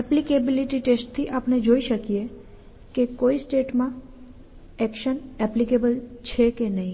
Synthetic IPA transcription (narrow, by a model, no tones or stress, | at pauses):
ɛplikebiliʈiʈesʈ̚t̪ʰiʔapned͡ʒoiʃəkije | kekoisʈeʈmã | ɛkʃənɛplikebəlt͡ʃʰekenəɦĩ